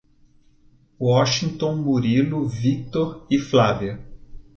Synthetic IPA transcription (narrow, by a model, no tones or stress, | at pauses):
wɔʃĩŋt̪õw̃muɾilʊvik̚t̪oɾɪflaviɐ